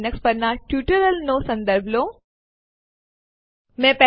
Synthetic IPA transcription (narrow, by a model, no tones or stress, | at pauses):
nəkspəɾnaʈjuːʈəɾəlnõːsɐ̃nd̪əɾbʱlõː | mɛ̃ːpɛ